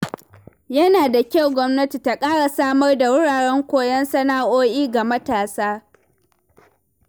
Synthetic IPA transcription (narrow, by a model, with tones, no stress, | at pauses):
jɐ˦naː˨da˨kʲa˦˨wɡʷɔ˦mnɐ˦ti˨ta˨kʼaː˦ɽa˨saː˦mɐ˦rda˨wɪ˦ɽaː˨ɽɛ˦ŋkʷoː˦˨jɐ˦nsɐ˦naː˦ʔoː˦ʔiː˦ɡa˨mɐ˦taː˨saː˦